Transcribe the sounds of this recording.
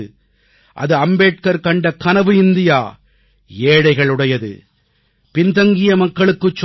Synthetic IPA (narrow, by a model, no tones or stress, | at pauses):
ɯ | ʔɐ̰ðɯɐmbeːʈ̚kɐɾkɐɳɖɐkɐnɐʋɯɪnd̪ɪjaː | eːɽɐɪɣɐɭɯɽɐjɐðɯ̰ | pɪnt̪ɐŋɡɪjɐmɐkːɐɭɯkːɯt͡ʃː